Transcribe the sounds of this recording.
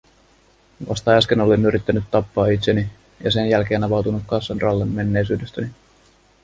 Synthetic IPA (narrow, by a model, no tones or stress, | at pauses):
ʋɑ̰st̪ɑæskeno̞lenːyɾit̪ːænyt̪ːɑpːɑːit̪se̞ni | jɑ̰se̞njælk̟e̞ːnɑʋɑwt̪unuk̪kɑnsːenrɑlːenːe̞nːe̞jsyːdøst̪æni